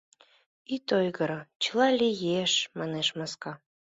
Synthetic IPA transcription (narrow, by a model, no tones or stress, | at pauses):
it̪ojɣəɾot͡ɕəlɑlʲijeʃmɑneʃmɑskɑ